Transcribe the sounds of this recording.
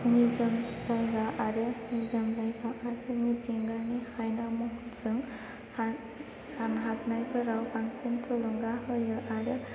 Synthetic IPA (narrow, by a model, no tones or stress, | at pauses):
nizɯmzajɡaʔaɾɯnizɯmzajɡaʔaɾɯmitiŋɡanihajnamɔɦutzɯŋ | ha | sanɦap̚najbʰɯɾawbaŋsintʰolɔŋɡahɯjɯʔaɾɯ